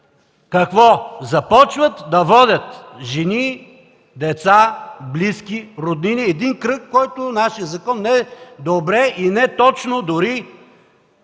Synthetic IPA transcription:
kɐkvɔzɐpɔt͡ʃvət̪d̪ɐvɔd̪ʲət̪ʒɛni | d̪ɛt̪sabliskʲiɾod̪niniɛd̪inkɾɤkːɔjt̪onaʃijəzɐkɔnːɛd̪obɾɛʔinɛt̪ɔt͡ʃnod̪ʊɾi

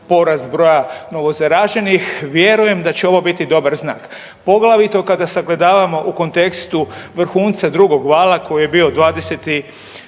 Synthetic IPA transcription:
po̞ɾazbɾo̞jano̞ʋo̞zaɾaʒe̞nixʋje̞ɾuje̞md̪at͡ɕeo̞ʋo̞bit̪id̪o̞baɾzna̰ːk | po̞ɡlaʋit̪o̞kad̪asaɡled̪aːʋamo̞ʔuko̞nt̪e̞kst̪uʋr̩xuːnt̪sad̪ɾuɡo̞ɡʋaːlako̞jije̞bio̞d̪ʋaːd̪e̞set̪i

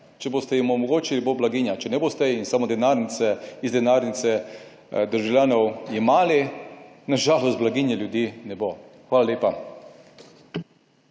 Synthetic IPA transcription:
t͡ʃɛboːst̪ɛjimɔmɔɡoːt͡ʃiliboblaɡinjat͡ʃɛnɛboːst̪ɛinsamod̪ɛnaɾnit̪sɛizd̪ɛnaɾnit̪sɛ | d̪əɾʒawlʲjaːnɔwimaːlinaʒaːlɔst̪blaɡinjɛljud̪iːnɛboxʋaːlalʲeːpa

